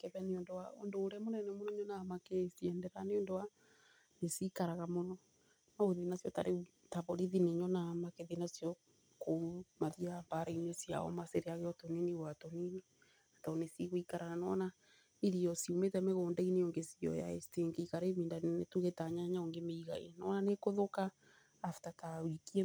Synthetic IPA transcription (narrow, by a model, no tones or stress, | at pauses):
kɛβɛneondoao̰ndoːɾɛmonɛnɛmonɔɲɔnamakesiɛndɛɾaneondowa | nesikaɾaɣamonɔ | naoðinasijɔta̰ɾʔe | taβoɾiðineɲɔnamakeðinasjɔ | komaðiabaɾeiɲesia̰ɔ̰maseɾeaɣeɔtɔniniwatɔnine | ataɔnesiɣoikaɾaɣanɔna | iɾiɔsiumetɛmɛɣɔndaineoŋɡesiɔ̰ja̰ɛsteŋeikaɾemindannetuɣetaɲaɲaoŋɡemeiɣa̰ḛnɔnanekoðokaː | fu̥tatawikiɛ